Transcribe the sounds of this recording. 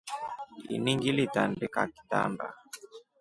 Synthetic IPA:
ḭniŋɡilitandikaki̥ta̰nda

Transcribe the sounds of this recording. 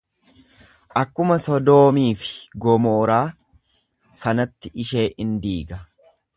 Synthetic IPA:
ʔɐkːʊmɐsɔd̪o̞ːmiːfɪ̥ɡɔmoːɾaː | sɐnɐt̪ːɪʔɪʃe̞ːʔɪnd̪iːɡɐ

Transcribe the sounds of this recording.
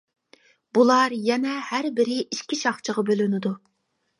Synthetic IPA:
b̥ulˠɑɾjɛnɛhæɾbɪɾɪʔiʃkʲiʃɑχt͡ʃʰəʁɑbølynɪd̪u

